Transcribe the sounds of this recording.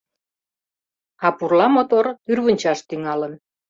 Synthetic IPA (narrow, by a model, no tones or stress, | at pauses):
ɑpurlɑmot̪ort̪yrβənʲt͡ɕɑʃt̪yŋɑlən